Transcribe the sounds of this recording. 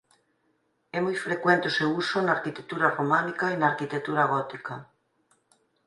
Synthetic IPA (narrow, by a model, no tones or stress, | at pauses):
ɛmujfɾekwẽnt̪osewusonaːɾkit̪ek̚t̪uɾaromãnikainaːɾkit̪ek̚t̪uɾaɣɔt̪ika